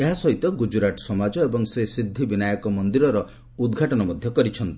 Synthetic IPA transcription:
eɦasɔɦit̪ɔɡud͡ʒuɾaʈɔ̥sɔmad͡ʒɔebɔŋsesɾid̪ʱːibinajɔkɔmɔnd̪iɾɔɾɔ | ud̪ɡʱaʈɔnɔmɔd̪ʱjɔkɔɾit͡ʃʰɔnt̪i̥

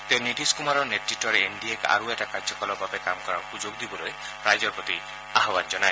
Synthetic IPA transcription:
t̪ẽniʈiskumaɾɔneʈʈiʈɔɾeeɳɖieka̰ɾueʈakaɾd͡ʒɔkɔlɔbabekamɔkɔɾɔɾɔhud͡ʒoɡd̪ibɔɾoe | pɾajd͡ʒɔɾpɾɔt̪i | aɦɔband͡ʒɔnae

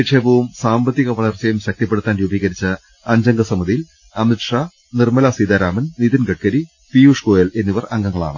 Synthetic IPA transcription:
piʈʂeːbɐʋumsaːmbɐt̪ːiɣɐʋɐɭɐrt͡ɕɐjumɕɐk̚t̪ipːeɽut̪ːaːnɾuːbiːɣɐɾit͡ɕːɨ | ɐɲd͡ʑɐŋɡɐsɐmɐðijil | ɐmiʈʂaː | nirmɐlasid̪aːɾaːmɐnnid̪inɡɐʈ̚kɐɾi | pijuːʂkoːjele̞nːiʋɐrɐŋɡɐŋːɐɭa̰ːɳɨ̰

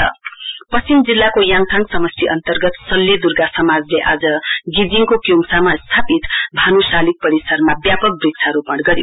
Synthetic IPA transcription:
ʌ̰pʌt͡simd͡zilːakojãŋt̪ʰaŋsʌmʌsʈʰiʔʌnt̪ʌrɡʌt̪sʌlːed̪urɡasʌmad͡zleʔad͡zʌɡid͡ziŋkokjuŋsamast̪ʰapit̪bʱanusalik̚pʌɾisʌrmabjapʌk̚brik̚t͡sʰaɾupʌɽɡʌɾijo̰

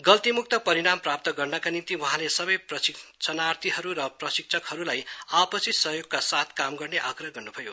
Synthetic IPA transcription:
ɡʌlt̪imuk̚t̪ʌpʌɾiɽamprap̚t̪ʌɡʌrnʌkanimt̪iwʌ̃ɦãlesʌbʌjprʌsikt͡sʰʌnart̪ʰiɦʌɾurʌprʌsik̚t͡sʰʌkhʌɾulajapʌsit̪sʌɦjoɡkasat̪ʰkamɡʌrneʔaɡrʌɦɡʌrnubʱʌjo

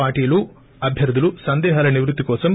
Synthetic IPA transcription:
aːɾʈiːɐlu | ɐbʱjɐɾd̪ɐlusɐnd̪ɛːɦaːlɐniʋɾut̪ːikɔːsɐm

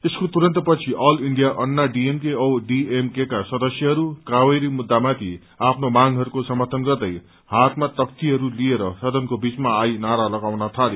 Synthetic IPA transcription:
t̪eskot̪uɾʌnt̪ʌpʌt͡sʰiʔʌliɳɖijaʔʌnːaɖiemkeowɖiemkekasʌd̪ʌsjʌɦʌɾukawʌjɾimud̪ːamat̪ʰi | apʰnomaŋɦʌɾukosʌmʌrt̪ʰʌnɡʌrd̪ʌj | hat̪mat̪ʌk̚t̪iɦʌɾulieɾʌsʌd̪ʱʌnkobit͡smaːjnaɾalʌɡawnʌt̪ʰale

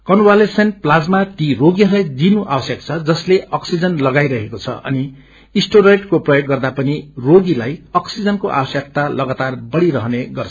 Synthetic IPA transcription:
kʌnwalesʌnplad͡zmat̪iroɡiʌrlajd͡zinuʔabʌsjʌk̚t͡sʰʌd͡zʌsleʔʌksid͡zʌnlʌɡajɾʌɦekot͡sʰʌ̰ʔʌ̰ni | isʈoɾejʈkoprʌjoɡːʌrd̪apʌniroɡilajʌksid͡zʌnkoʔa̰bʌsjʌk̚t̪alʌɡat̪arbʌɽiɾʌɦʌneɡʌrt͡sʰʌ̥

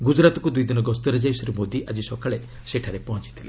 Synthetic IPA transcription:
ɡud͡ʒɾat̪ɔkud̪ujd̪inɔɡɔst̪ɔɾed͡ʒajsɾimod̪iʔad͡ʒisɔkʰaɭe | seʈʰaɾepɔɦɔ̃t͡ʃi̥t̪ʰile

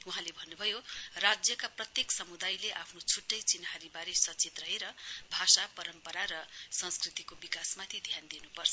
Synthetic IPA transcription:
uɦãlebʱʌnːubʱʌjorad͡zjʌkaprʌt̪jeksʌmud̪ajleʔapʰnot͡sʰuʈːʌjt͡sinɦaɾibaɾesʌt͡set̪rʌɦeɾʌbʱasapʌɾʌmpʌɾaɾʌsʌ̃nskrit̪ikobikasmat̪ʰid̪ʱjand̪inupʌrt͡sʰʌ

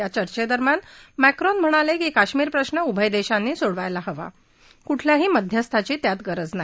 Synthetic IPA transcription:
jat͡ɕəɾt͡ɕed̪əɾmjanmɛkɾɔnm̤əɽ̃alekiːkaɕmiːɾpɾəɕnəubʱəjd̪eɕanːiːsoɽʋajlaɦəʋa̰ | kuʈʰljaɦiːməd̪ʱjəst̪ʰat͡ɕiːt̪jat̪ɡəɾəd͡zna

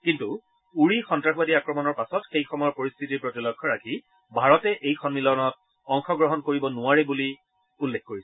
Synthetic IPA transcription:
kintu | uɹixɔntɹaxbadiakɹɔmɔnɔɹpasɔtxejxʰɔmɔjɔɹpoɹist̪ʰitiɹpɹotilɔkʰːɔɹakʰi | bʱaɹɔtɛʔejkʰɔnmilɔnɔt̚ | ɔŋxɔɡɹɔɦɔnkoɹibɔnʊwaɹɛbuli | ulːekʰkoɹisɛ

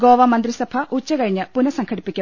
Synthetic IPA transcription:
ɡoːʋɐmɐnd̪ɾisɐpʰɐʔut͡ɕːɐkɐɻiɲːɐpunɐsɐŋkʰɐɽipːikʲːɐ

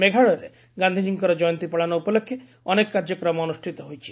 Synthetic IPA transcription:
meɡʱaɭɔɾḛ | ɡand̪ʱid͡ʒiŋkɔɾɔd͡ʒɔjɔnt̪ipɔɭanɔupɔlokʰːje | ɔnekkaɾd͡ʒɔkɾɔmɔɔnusʈʰit̪ɔɦojt͡ʃʰi̥

